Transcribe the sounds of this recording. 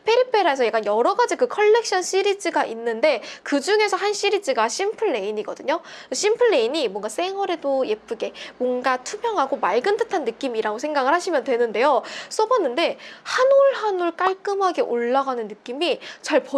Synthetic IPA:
pʰe̞ɾipʰe̞ɾaes̬ʰʌjak͈anjʌɾʌɡad͡ʑikɯkʰʌɭːe̞k̚ɕ͈ʌnɕ͈ʰiɾid͡ʑiɡaʔinːɯnde̞kɯd͡ʑuŋe̞sʰʌɦanɕ͈iɾid͡ʑiɡaɕ͈ʰimpʰɯɭːe̞iɲiɡʌdɯɲokɯɕ͈impʰɯɭːe̞iɲimwʌŋɡas͈e̞ŋʌɾe̞doje̞p͈ʰɯɡe̞mwʌnɡatʰumjʌŋɦaɡomaɭɡɯntʰɯtʰanːɯk͈imiɾaɡosʰe̞ŋɡaɡɯɭɦhaɕʰimjʌndwe̞nɯnde̞jos͈ʌbʌnːɯnde̞hanoɭɦanuɭk͈aɭk͈ɯmɦaɡe̞ʔoɭːaɡanɯnːɯk͈imit͡ɕaɭpʌ

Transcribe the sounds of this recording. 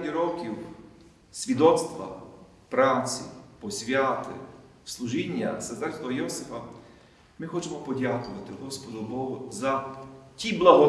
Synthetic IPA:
dʲiɾɔkʲiw | sʲʋʲid̪ɔt̪st̪ʋɐ̰ | pɾawt͡sʲḭpɔsʲʋʲjat̪ɪ̰wslˠuʒinʲːɐ̰sɐt̪ɛɾst̪ˠɔɦɔjɔsɪfɐ | mɪxɔt͡ʃemɔpɔdʲakʊʋɐt̪ɪɦɔspɔd̪ɔbɔɦʊzɐtʲiblˠɐɦɔ

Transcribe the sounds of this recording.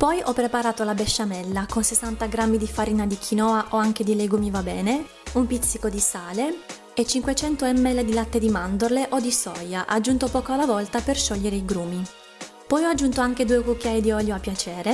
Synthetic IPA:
pɔjʔɔpːɾepaɾaːt̪olabeʃːamɛlːakonsesːant̪aɡɾamːid̪ifaɾiːnad̪ikʰinɔːaʔoaŋk̟ed̪ileɡumivabɛːne | umpit̪sːikod̪isaːle | et͡ʃːiŋkwet͡ʃɛnt̪oɛmːɛled̪ilat̪ːed̪imand̪orleʔod̪isɔjaʔad͡ʒːunt̪opɔːkoalːavɔlt̪aperʃɔʎːeɾeiɡɾuːmi | pɔjɔad͡ʒːunt̪oaŋk̟ed̪uːekukːjajid̪iɔljoapːjat͡ʃɛːɾe

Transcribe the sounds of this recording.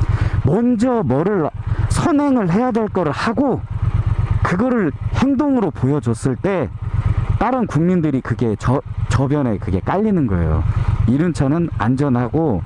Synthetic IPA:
mʌnd͡ʑʌmʌɾɯɭsʰʌnɦe̞ŋɯɭhe̞jadwe̞ɭk͈ʌɾɯɭhaɡo | kɯɡʌɾɯɭhe̞ŋdoŋɯɾopojʌd͡ʑʌs͈ɯɭt͈e̞ | t͈aɾɯnkuŋmindɯɾikɯɡe̞t͡ɕʌt͡ɕʌbjʌne̞kɯɡe̞k͈aʎːinɯnɡʌḛjo̰iɾɯnt͡ɕʰʌnɯna̰nd͡ʑʌnɦaɡo

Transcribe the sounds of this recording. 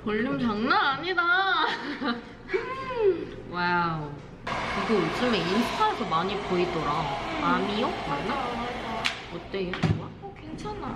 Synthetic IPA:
poʎːɯmt͡ɕaŋnaaɲida | wa | kɯɡɯjd͡ʑ͈ɯmeinttʰaesʰʌmaɲipoidʌɾaamiʌkwana | ʌt͈eewa | kweŋt͡ɕʰana

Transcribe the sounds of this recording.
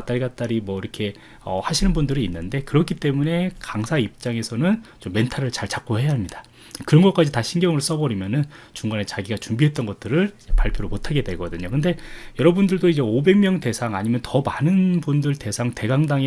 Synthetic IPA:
t͈aɭɡat͈aɾimwʌiɾʌkʰe̞ | ʌhaɕʰinɯnbundɯɾiːnːɯnde̞kɯɾʌkʰit͈e̞mune̞kaŋsʰaip̚t͡ɕ͈aŋe̞sʰʌnɯnt͡ɕomːe̞ntʰaɾɯɭt͡ɕaɭt͡ɕak̚k͈ohe̞jaɦamɲidḁ | kɯɾʌnɡʌk͈ad͡ʑitaɕʰinɡjʌŋɯɭs͈ʌbʌɾimjʌnɯnt͡ɕuŋɡane̞t͡ɕaɡiɡat͡ɕumbiɦe̞t̚t͈ʌnɡʌt̚t͈ɯɾɯɭid͡ʑe̞pa̰ɭpʰjoɾomotʰaɡe̞dwe̞ɡʌdɯɲokɯnde̞jʌɾʌbundɯɭdoid͡ʑe̞obe̞ŋmjʌŋte̞sʰaŋaɲimjʌntʌmanɯnpundɯɭte̞sʰaŋte̞ɡaŋdaŋe

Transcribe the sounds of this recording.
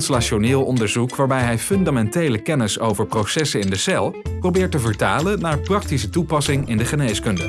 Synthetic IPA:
nslaʃonɪːlˠɔndəɹzukʋaːɹbɛjɦɛjfɵndamɛntejləkɛnɪsowvəɹprowsɛsəɪndəsɛlˠprowbɪːɹtəvəɹtaːlənaːɹprɑk̚tisətupɑsɪŋɪndəχənejskɵndə̰

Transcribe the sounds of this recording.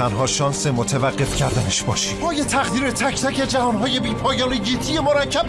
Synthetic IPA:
ænɦɒːʃɒːnse̞mot̪ʰevæɢːe̞fcʰæɾd̪æneʃbɒ̰ːʃibɒːjet̪ʰæɣd̪iːɾe̞t̪ʰæcʰt̪ʰæckʰe̞d͡ʒævɒːnɦɒːje̞biːpʰɒːjɒːneɡet̪ʰije̞moɾæcʰːæb̥

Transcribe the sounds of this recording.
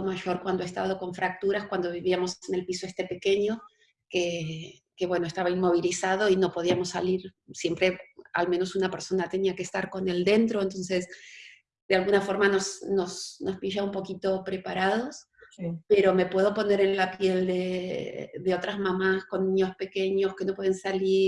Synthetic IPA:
omaʒo̞ɾkwand̪oest̪a̰ðoko̞ɱfɾak̚t̪uɾaskwand̪o̞βiβiamo̞sene̞lpisoest̪e̞pe̞ke̞ɲo̞ | ke | ke̞βwe̞noest̪aβainmo̞β̞ilisað̞o̞ino̞po̞ðiamo̞sːaliɾ | sjempɾe̞a̰lme̞no̞sunape̞ɾso̞nat̪e̞niakeːst̪aɾko̞ne̞ld̪e̞nt̪ɾo̞ent̪o̞nse̞s | d̪ealɣunafo̞ɾmano̞sno̞sno̞spiʒaumpo̞kit̪o̞pɾe̞paɾaðo̞s | pe̞ɾo̞me̞pwe̞ð̞o̞po̞neɾe̞nlapje̞ld̪e | d̪e̞o̞t̪ɾazmamasko̞nːĩɲo̞spe̞ke̞ɲo̞ske̞no̞pweðe̞nsali

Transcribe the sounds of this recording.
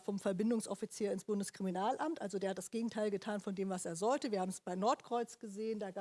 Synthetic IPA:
fɔmfɛɐbɪndʊŋsʔɔfit͡siːɐɪnsb̥ʊndəskʁ̥iminaːlʔamtʔalzodeːɐhat̚d̥asɡ̥eːɡŋ̩tʰaɪlɡətʰaːnfɔndeːmvaseːɐzɔltəviːɐhaːbm̩ɛsb̥aɪnɔɐtkʁ̥ɔʏt͡sɡ̥əzeːəndaːɡ

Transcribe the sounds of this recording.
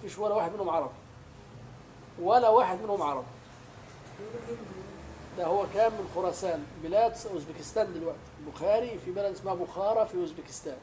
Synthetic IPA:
fiʃwælːæwaħəd̪mɪnhʊmʕɑɾˤɑbi | wælæwaħəd̪mɪnhʊmʕɑɾˤɑbi | d̪æhʊwːækæmːənxʊɾˤɑsænbəlæd̪sʔʊzbikəst̪ænd̪əlwaʔt̪lbʊxæɾifibælæd̪əsmabʊxɑɾˤɑfiʔʊzbikə̥st̪æːn

